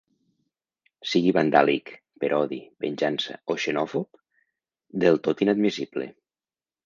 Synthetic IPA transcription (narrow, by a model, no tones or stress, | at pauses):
siɣiβand̪a̰lik | peɾʔɔðipenʲʒansa̰oʃenɔfop | d̪elˠt̪ot̪inad̪misiblḛ